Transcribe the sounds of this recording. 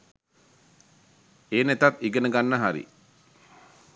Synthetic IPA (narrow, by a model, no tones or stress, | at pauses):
eːnet̪at̪iɡənəɡanːəɦaɾḭ